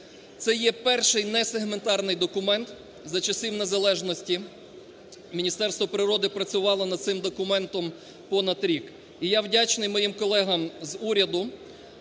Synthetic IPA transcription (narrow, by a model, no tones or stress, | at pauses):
t̪sɛjɛpɛrʃɪjnɛseɦment̪ɑrnɪjd̪ɔkʊmɛnt̪ | zɐt͡ʃɐsʲiwne̞zɐlˠɛʒnɔsʲtʲi | mʲinʲist̪ɛrst̪ʋɔpɾɪɾɔd̪ɪpɾɐt͡sʲʊʋɑlˠɔnɐd̪̚sɪmd̪ɔkʊmɛnt̪ɔm | pɔnɐd̪ɾʲik | ijawdʲat͡ʃnɪjmɔjimkɔlˠɛɦɐmzuɾʲɐd̪ʊ